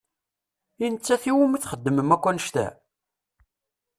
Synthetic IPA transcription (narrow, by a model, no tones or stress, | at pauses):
inət͡sːæθiwəmiθχəd̪ːəməmækʷːænəʃt̪æ̰